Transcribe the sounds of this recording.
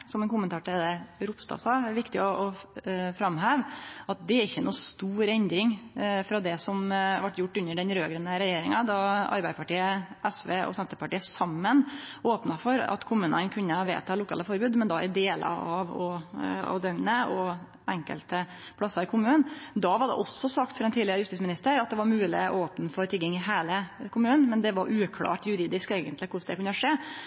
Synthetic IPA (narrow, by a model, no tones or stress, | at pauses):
sɔmɛnkʊmːənt̪ʰɑːʈəɛd̪ɛɾʊpst̪ɑ̰ːsɑːɛʋɪkt̪ɪɔʔɔfɾɑmɦæːʋɑt̪̚d̪ɛæɾɪçːənuːst̪uːɾɛnd̪ɾɪŋfɾɑd̪ɛsɔmʋɑʈːjʊʈːʉnːəɖɛnɾøːɡɾənəɾɛjeːɾɪŋɑd̪ɑɑ̰ɾbæɪəpʰɑʈiːəʔɛsʋeːʔɔ̰sɛnt̪əɾpɑʈiːəsɑmːənoːpnɑfɔɾɑ̰t̪kʰʊmʉːnə̰nkʰʉnːəɑʋḛːt̪ʰɑːlʊkʰɑ̰ːləfɔɾbʉːd̪mɛnd̪ɑʔɪ̰d̪eːlə̰ɑʋɔɑ̰ʋd̪œŋnəɔ | ɛŋkə̰lt̪ə | pʰlɑsɑɾɪkʰʊmʉːnd̪ɑʋɑɖɛ̰ʔɔsːɔsɑk̚t̪fɔɾɛnt̪ʰiːlɪəɾəjʉst̪iːsmɪnɪst̪əɾɑt̪d̪ɛʋɑɾmʉːlɪ̰ɔ̰oːpnəfɔɾt̪ʰɪɡɪŋɪɦeːləkʰʊmʉːn̩mɛnd̪ɛʋɑɾʔʉːkʰlɑ̰ːʈjʉɾiːd̪ɪskeːɡənt̪lɪkʰʊʂd̪ɛkʉnːəɾʂeː